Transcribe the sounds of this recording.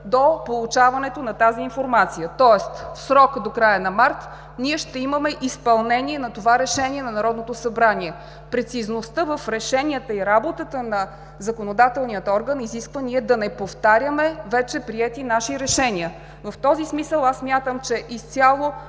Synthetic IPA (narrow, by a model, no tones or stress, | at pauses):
d̪opolˠut͡ʃavɐnɛt̪onɐt̪aziːnfoɾmat̪sijət̪ɔɛst̪fsɾɔkd̪okɾajənɐmaɾt̪ | niɛʃt̪ɛiməmɛʔispɐlˠnɛniɛnɐt̪ovaɾɛʃɛniɛnɐnɐɾɔd̪not̪osɐbɾaniɛ | pɾɛt̪siznost̪əvəfɾɛʃɛniət̪əiɾabot̪ət̪ənɐ | zɐkonod̪at̪ɛlˠnijət̪ɔɾɡəniziskvəniɛd̪ɐnɛpoft̪aɾʲjəmɛvɛt͡ʃɛpɾiɛt̪inaʃiɾɛʃɛniə | vəft̪ɔzismisəlˠasːmʲjat̪əmt͡ʃɛʔist̪sʲalˠo